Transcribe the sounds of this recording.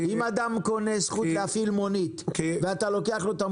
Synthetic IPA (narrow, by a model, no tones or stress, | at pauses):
imad̪amko̞nesχuleafilmo̞nit̪veat̪alo̞keaχlot̪am